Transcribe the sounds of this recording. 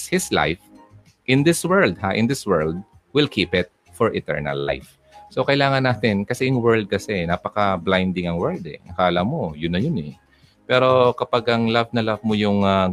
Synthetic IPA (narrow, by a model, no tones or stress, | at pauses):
hɪsla̰jf | ʔɪnd̪ɪswɛɹld̪̚haʔɪ̰nd̪ɪswɛɹld̪̚ | wɪlkʰipɪt̪̚ | fɔɹʔɪt̪ɛ̰ɹnɐ̰lːa̰jf | sokɐʔɪlaːŋɐnaːt̪ɪnkɐsɛjʊŋwɛɹld̪̚kɐsɛnaːpɐkɐblajnd̪ɪŋɐŋwɛɹld̪ɛ̰ɐkaːlamojʊnːɐjʊnɛ | pɛːɾo̞kɐpaɡʔɐŋlɐvnɐlɐvmojʊŋa